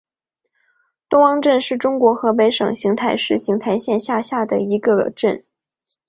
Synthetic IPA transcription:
t̪ʊ˥ŋɑ˥ŋʈ͡ʂə˥˧nʂɻ̩˥˩ʈ͡ʂʊ˥ŋkwɔ˧˥xɤ˧˥pe˧˥ɪʂɤ̰˨˩ŋɕi˧˥ŋt̪ʰa˧˥ɪʂɻ̩˥˩ɕi˧˥ŋt̪ʰa˧˥ɪɕjɛ˥˧nɕja˥˧ɕja˥˩d̪ə̰˩i˧˥ɡə˧ʈ͡ʂə˥˩n

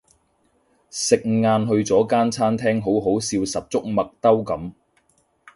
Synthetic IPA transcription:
sɪ˨k̚ŋŋaː˧nɦɵ˧ɥt͡sɔː˨˥kaː˥nt͡sʰaː˥nt̪ʰɛː˥ŋɦo˨˥wɦo˨˥wsiː˧wsɐ˨p̚t͡sʊ˥k̚mɐ˨k̚t̪ɐ˥wkɐ˨˥m

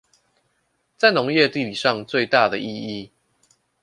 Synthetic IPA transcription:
t͡sa˥˩ɪno˧˦ŋjɛ˥˧t̪i˥˨li˨˩ʂɑ˥˧ŋt͡swe˥˨ɪt̪a˥˩d̪ə˩ʔi˥˧i˥˩

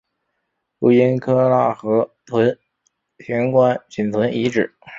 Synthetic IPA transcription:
lu˧˥˩i˥nkʰɤ˥la˥˩xɤ˧˥t̪ʰwə˧˥n | ɕʰjɛ˧˥nkwa˥nt͡ɕʰi˨˩nt̪ʰwə˧˥ni˧˥ʈ͡ʂɻ̩˨˩˦

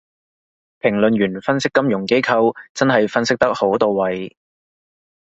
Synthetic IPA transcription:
pʰɪ˨˩ŋlɵ˨nɥyː˨˩nfɐ˥nsɪ˥kːɐ˥mjʊ˨˩ŋke˥jkʰɐ˧wt͡sɐ˥nɦɐ˨jfɐ˥nsɪ˥k̚t̪ɐ˥k̚ho˨˥wt̪o˨˧wːɐ˨j

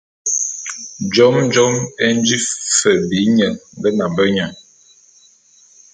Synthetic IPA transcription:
d͡ʒɔ˦md͡ʒɔ˦mɛ˦n˦d͡ʒi˦fə˨bi˨˦ɲə˨ŋŋɡə˦na˨bə˦ɲa˨

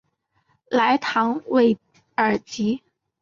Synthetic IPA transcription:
la˧˥ɪt̪ʰɑ˧˥ŋwe˥˩ɪ | ə˞˨˩t͡ɕi˧˥

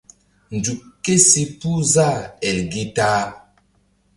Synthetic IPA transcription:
n˨d͡ʒu˨kːe˦si˨pu˦za˦˨ɛ˨lɡi˦taː˦

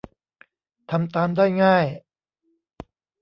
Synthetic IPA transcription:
t̪ʰa˧mt̪aː˧mdaː˥˩jŋaː˥˩j

